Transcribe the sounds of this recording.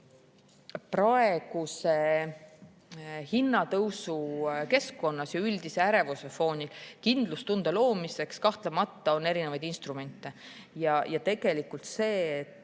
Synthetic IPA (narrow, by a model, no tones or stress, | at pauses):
prɑe̞ɡ̥use̞ | hinːɑt̪ɤwsuke̞skːo̞nːɑsjɑylʲd̪ise̞æɾe̞vusefo̞ːnʲilkind̪̥lust̪und̪̥ɑlo̞ːmise̞kskɑht̪lemɑt̪ːɑo̞ne̞ɾine̞vɑjd̪inst̪ɾume̞nʲt̪ːˑe̞ | jɑjɑt̪e̞ɡ̥e̞likːˑult̪se̞ːt̪ːˑ